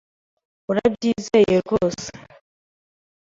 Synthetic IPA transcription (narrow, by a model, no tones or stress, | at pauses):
uɾabjiːzejeɡosḁ